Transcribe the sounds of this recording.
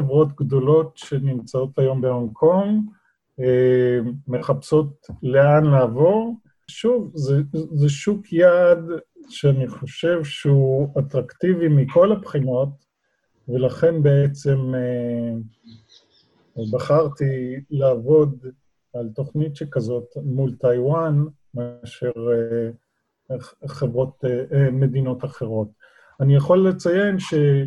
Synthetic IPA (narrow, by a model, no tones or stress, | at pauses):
evʁo̞t̪ɡdo̞lo̞tʃe̞nimt͡sao̞t̪ajo̞mbehomkʰo̞m | e | me̞χapso̞tle̞anlaːvo̞ʁ | ʃuvzezeʃukʰjad | ʃeaniχo̞ʃe̞vʃeuat̪ʁakt̪ivimikʰo̞lapχino̞t | velaχe̞nbe̞et͡se̞me | baχaʁt̪ilaːvo̞d̪ | alt̪o̞χnitʃekazo̞tmult̪ajwan | meaʃeʁ | χevʁo̞t̪me̞d̪ino̞t̪aχe̞ʁo̞t̪ | anijaχo̞lːet͡saje̞nʃe